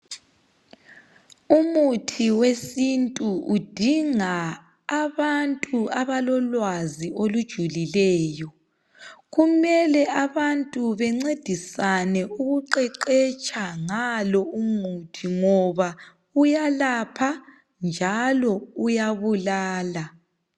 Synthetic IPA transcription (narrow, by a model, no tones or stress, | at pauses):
umutʰiwesintʼuud̥ʱiŋaː | βantʼuaβalɔlwaziolud̥ʒ̥ʱulilɛːjɔ | ɣumɛlɛʔaβantʼuβɛŋ͡ǀed̥ʱisanɛuɣuǃɛǃɛt͡ʃʼaŋalɔumutʰiŋɔβa | ujalapʰa | nd͡ʒʱalɔujaβulaːla